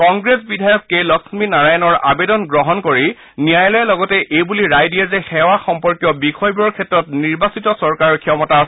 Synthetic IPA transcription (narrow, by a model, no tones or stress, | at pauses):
kɔŋɡɹesbidʱajɔkːelɔksminaɹajɔnɔɹa̰bedɔnɡɹɔɦɔnkoɹi | nijajlɔjɛlɔɡɔtɛʔejbuliɹajdiɛzɛxɛwaxɔmpɔɹkjɔbixʰɔjbɔɹkʰɛtːɹɔtniɹbasitɔsɔɹkaɹɔɹkʰiɔmɔtasɛ